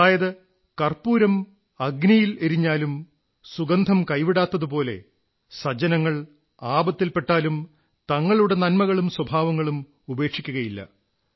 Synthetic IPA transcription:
aːjɐðɨ | kɐrpuːɾɐm | ɐɡnijilɐɾiɲːaːlum | suɡɐnd̪ʱɐmkɐjʋiɽaːt̪ːɐðɨpo̞ːle̞̰ | sɐd͡ʑɐnɐŋːɐɭ | aːbɐt̪ːilpe̞ʈːaːlum | t̪ɐŋːɐɭuɽe̞nɐnmɐɣɐɭumswɐbʱaːʋɐŋːɐɭum | ube̞ːkʂikʲːuɣɐjilːɐ̰

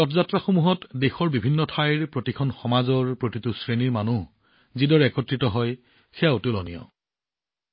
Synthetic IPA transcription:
ɔtɔzatɹaxomuɦɔtdexɔɹbibʱinːɔtʰajɹpɹotikʰɔnxɔmazɔɹpɹotitʊsɹeniɹmanu | zidɔɹɛkɔtɹitɔɦɔj | xɛaotulɔnḭjɔ̰

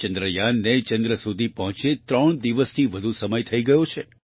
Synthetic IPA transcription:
t͡ʃənd̪ɾəjanːet͡ʃənd̪ɾəsud̪ʱipəɦɔ̃t͡ʃet̪ɾəɳ̃d̪iʋəst̪ʰiʋəd̪ʱusəməjt̪ʰəiɡəjõt͡ʃʰe

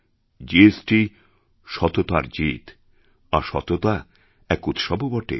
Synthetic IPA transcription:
d͡ʑiesʈi | ʃɔt̪ot̪aɾd͡ʑit̪ | aɾʃɔ̰t̪ot̪a | ɛkut̪ʃɔbobɔʈḛ

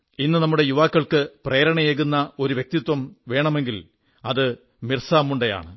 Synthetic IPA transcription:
inːɨnɐmːuɽe̞juʋaːkːɐɭkɨpreːɾɐɳɐjeɣunːɐo̞ɾuʋjek̚t̪it̪wɐmʋe̞ːɳɐme̞ŋɡil | ɐðɨ | mirsaːmːuɳɖeja̰ːɳɨ

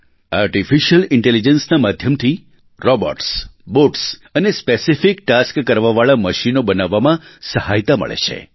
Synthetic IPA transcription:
aɾʈifiʃəlɪɳʈelid͡ʒənsnamad̪ʱjəmt̪ʰi | ɾɔbə̰ɾʈsboʈsənespesifikʈaskːəɾʋaʋaɭaməʃinobənaʋːamãsəhajt̪amə̰ɭḛt͡ʃʰḛ

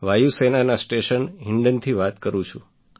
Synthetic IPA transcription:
ʋajusenanasʈeʃənɦɪɳɖənt̪ʰiʋat̪kəɾũt͡ʃʰũ

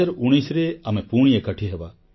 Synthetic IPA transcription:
əɾuɽ̃isɾeamepuɽ̃ijekəʈʰiɦeʋa

